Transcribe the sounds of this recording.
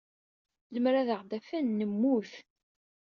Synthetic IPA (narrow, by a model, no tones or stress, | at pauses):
ləmɾaðəʁd̪æfænːəmːuθ